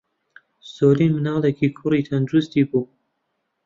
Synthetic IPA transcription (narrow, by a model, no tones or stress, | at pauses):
soːɾiːnmɨnɑːlˠekʰiːkʰʊriːt̪ʰɐnd̪ɾust̪iːbuː